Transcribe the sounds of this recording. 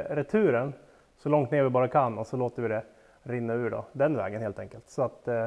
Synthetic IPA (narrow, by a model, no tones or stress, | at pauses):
ɾɛt̪ʰʉ̟ːɾəɳ | sɔlɔŋt̪neːɾvɪbɑːɾakʰanːɔsɔloːt̪əɾvɪd̪ɛ | ɾɪnːaʉ̟ːɖɔ̰d̪ɛnvɛ̰ːɡənheːlt̪ʰɛŋkəlt̪sɔat̪